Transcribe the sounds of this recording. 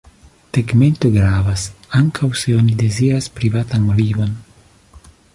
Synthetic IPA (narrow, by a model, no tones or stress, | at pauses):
teɡme̞nt̪oɡɾavasaŋkʰawse̞onid̪eziɾaspɾivat̪anvivo̞n